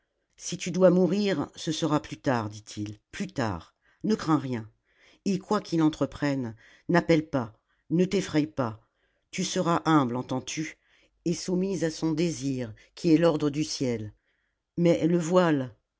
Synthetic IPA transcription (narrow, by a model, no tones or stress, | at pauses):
sit̪yd̪wamuʁiʁsəsəʁaplyt̪aʁd̪it̪ʰilplyt̪a̰ːʁ | nəkχɛ̃ʁjɛ̃ | ekwakilɑ̃t̪χəpχɛnː | apɛlpa | nət̪efχɛjpa | t̪ysəʁaʔɛ̃blɑ̃t̪ɑ̃t̪ʰy | esumizasɔ̃d̪eziʁ | kʲʰiɛlɔʁd̪ʁəd̪ysjɛl | mɛləvwal